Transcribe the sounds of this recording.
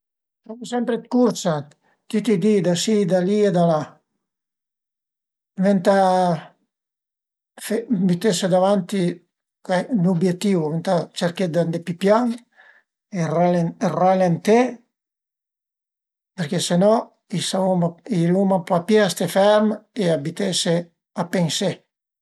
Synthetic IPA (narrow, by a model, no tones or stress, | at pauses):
samusɛmpɾet̪kuɾsat̪ | t̪ːit̪id̪id̪asid̪alied̪ala | vent̪a | femit̪esed̪avant̪i | kɛnubjet̪ːiwvent̪at͡ʃeɾked̪and̪epipjaŋ | eraleeralent̪e | peɾkesenɔ | isaumailumapapjɛst̪efɛɾmeabit̪ese | apense